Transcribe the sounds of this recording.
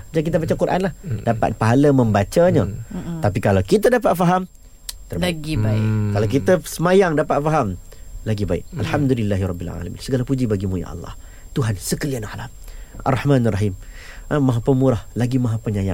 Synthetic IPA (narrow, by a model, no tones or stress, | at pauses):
d͡ʒakit̪̬abat͡ʃakuɾʔa̰nlahdapa̰t̪̚paɦalaməmbat͡ʃaɲat̪ap̬ikalawkit̪adapat̪̚faɦam | t̪ərbaɡibakalawk̬it̪əsəmajaŋdapat̪̚faɦam | laɡibaɪ̰k̚alħamd̪ulilːaɦiɾˤɔbːila̰la̰mḭnsəɡalapud͡ʒibaɡimuja̰ʔɑ̰lːɑ̰h | t̪uɦansəkəlianahlamʔa̰rːɑħmanarˤɑɦim | maɦapəmuɾahlaɡimãɦapəɲaja̰